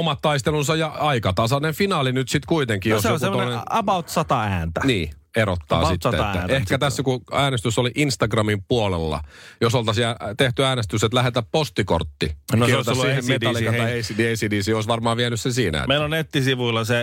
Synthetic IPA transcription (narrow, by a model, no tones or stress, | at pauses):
omɑt̪tɑist̪elunsɑjɑɑikɑt̪ɑsɑnefinɑːlinyt̪sit̪kuit̪eŋkːiːjoseolemːooneneɑbɑut̪sɑt̪ɑæːnt̪æniː | eɾo̰t̪ːɑ̰ːsit̪ːæʔehkæt̪æsːækuæːnest̪ysːoliʔinst̪ɑɡrɑmimpuolḛlːɑ̰josolt̪ɑsiæt̪eht̪yæːnest̪yset̪læhet̪æppost̪iko̰rt̪ːinosst̪ɑslːiːeetɑllːiɑɑesideisidiːsiːoisʋɑrmɑːʋiænyssensiːnæ̰meilonet̪ːisiʋuilːɑse